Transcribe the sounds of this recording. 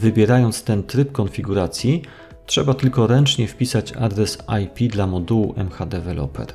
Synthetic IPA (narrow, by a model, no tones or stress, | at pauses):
vɘbʲjɛɾajɔnt̪st̪ɛnt̪ɾɘpkɔnfʲiɡuɾat̪sʲji | tʂɛ̰bat̪ɘlkɔɾɛnt͡ʂɲɛfpʲisat͡ɕa̰d̪ɾɛsajpʲid̪lamɔd̪uwuʔɛ̰mxad̪ɛvɛlʔɔ̰pɛ̰ɾ